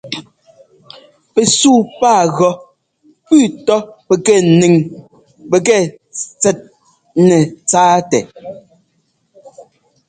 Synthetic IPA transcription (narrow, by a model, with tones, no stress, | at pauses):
pɛ˨suː˦paː˦˨ɣɔ˨ | pʉː˦˨tɔ˦pɛ˨kɛ˦˨ni˨ŋ | pɛ˨kɛ˦˨ | t͡sɛ˨t̚ | nɛ˨t͡saː˦tɛ˨